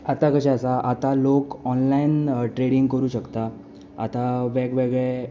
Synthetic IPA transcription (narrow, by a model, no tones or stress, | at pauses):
at̪akəɕaəsaʔat̪alokɔnlainʈɾeɽiŋɡkəɾuːɕəkt̪a | a̰t̪aʋeɡʋeɡɭe